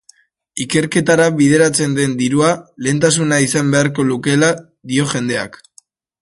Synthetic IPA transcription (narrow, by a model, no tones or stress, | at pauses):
ike̞ɾke̞t̪aɾaβiðe̞ɾat͡se̞nd̪e̞nd̪iɾuale̞ːnt̪as̬unaisambe̞aɾko̞luke̞la | ðio̞ʝe̞nd̪e̞a̰k